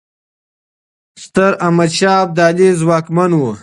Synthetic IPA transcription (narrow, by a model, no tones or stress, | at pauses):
st̪ɐɾɐmɐd̪ɕaːb̚d̪aːlizwaːkmɐnwu